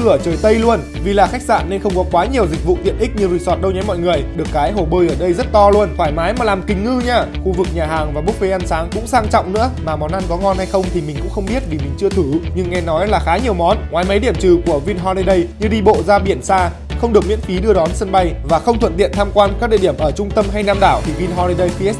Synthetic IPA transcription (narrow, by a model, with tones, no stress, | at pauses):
ɨ˧˩ə˧˩t͡ɕəː˨˩jt̪ə˧jlu˧ən | vi˨˩laː˨˩xa˦˥jk̚sa̰ː˧˨nːe˧nxə˧wŋ͡mkɔ˨˦kwaː˨˦ɲi˨˩əwzï˨˩k̟̚vṵ˧˨t̪ḭ˧˨ənʔï˦˥k̟̚ɲɨ˧zi˨˧˩sɔ˨˩t̚ɗə˧wɲɔ˨˦jmɔ̰˧˨jŋɨ˨˩əjɗɨ˨˩ə˩kːaː˨˦jɦo˧˩ɓəː˧jʔəː˧˩ɗə˧jzə˦˥t̚t̪ɔ˧lu˧ənfaː˧˩jmaː˨˦jmaː˨˩laː˨˩mkï˨˩ŋ̟ŋɨ˧ɲaː˧xu˧vɨ˨˩k̚ɲaː˨˩ɦaː˨˩ŋvaː˨˩ɓu˦˥k̚ve˨˧˦ʔa˧nsaː˨˦ŋkʊ̰˧˥ŋ͡msaː˧ŋt͡ɕɔ̰˧˨wŋ͡mnɨ̰˧˥əmaː˨˩mɔ˨˦nʔa˧nkɔ˨˦ŋɔ˧nha˧jxə˧wŋ͡mt̪ʰi˨˩mi˨˩ŋ̟kʊ̰˧˥ŋ͡mxə˧wŋ͡mɓi˦˥ət̚vi˨˩mï˨˩ŋ̟t͡ɕɨ˧ət̪ʰɨ˧˩ɲɨ˧ŋːɛ˧nɔ˨˦jlaː˨˩xaː˨˦ɲi˨˩əwmɔ˨˦nŋwaː˨˦jma˨˦jɗi˧˩əmt͡ɕɨ˨˩ku˧˩əvi˧nɦɔ˧li˧ɗə˧jɲɨ˧ɗi˧ɓo̰˧˨zaː˧ɓi˧˩ənsaː˧ | xə˧wŋ͡mɗək̚ɲḭ˧˥ənfi˨˦ɗɨ˧əɗɔ˨˦nsə˧nɓa˧jvaː˨˩xə˧wŋ͡mt̪ʰwə̰˧˨nt̪ḭ˧˨ənt̪ʰaː˧mkwaː˧nka˦˥k̚ɗḭ˧˨i˧˩əmʔəː˧˩t͡ɕʊ˧ŋ͡mt̪ə˧mɦa˧jnaː˧mɗaː˧˩wt̪ʰi˨˩vi˧nɦɔ˧ɾi˧jɗə˧jxi˧ɛ˦˥